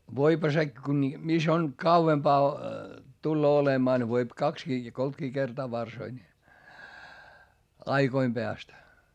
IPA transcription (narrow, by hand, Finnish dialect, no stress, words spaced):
ʋoiphɑ se ku ni mis on kɑuʋempɑː tulːoː olemɑː ne ʋoip kɑkskiː jɑ koltkiː kertɑː ʋɑrsoi nʲi ɑiɡ̊oim peæst